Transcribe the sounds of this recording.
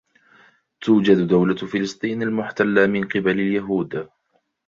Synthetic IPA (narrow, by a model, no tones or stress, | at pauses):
t̪uːd͡ʒad̪d̪awlafɪlɨsˤt̪ˤiːnalmʊħt̪alːamɪnqɨbalaljaɦuːd̪